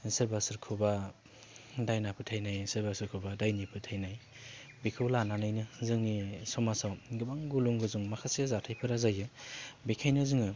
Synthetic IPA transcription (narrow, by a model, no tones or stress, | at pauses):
sɯɾbasɯɾkʰuba | dajnapʰɯtʰajnajsɯɾbasɯɾkʰubadajnipʰɯtʰajnaj | bikʰɯwlananajnɯzɯŋnisɔmasawɡɯbaŋɡuluŋɡɯzuŋmakʰasiazatʰajpʰɯɾazajɯbikʰajnɯzɯŋɯ